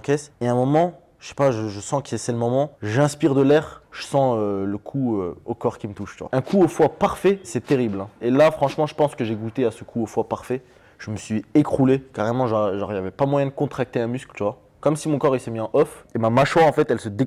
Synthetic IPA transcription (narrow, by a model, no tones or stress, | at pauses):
kʲɛseɛ̃mɔmɑ̃ | ʒəʃɛ̥paʒəʒəsɑ̃kəsɛsɛləmɔmɑ̃ʒɛ̃spiʁd̪əlɛʁʒ̥əsɑ̃øləkʰuøokɔʁkʲimət̪uʃt̪yvwa̰ɛ̃kʰuofwapaʁfɛsɛt̪eʁiblɛ̃elafχɑ̃ʃmɑ̃ʒəpɑ̃skəʒeɡut̪easəkʰuofwapaʁfɛ | ʒ̥əməsɥiekχulekaʁemɑ̃ʒɑʁʒɔʁijavɛpamwajɛ̃d̪əkɔ̃t̪χak̚t̪eɛ̃mysklt̪yvwa | kɔmsimɔ̃kɔʁisəmiɑ̃ʔɔfemamaʃwaɑ̃fɛt̪ɛlsəd̪e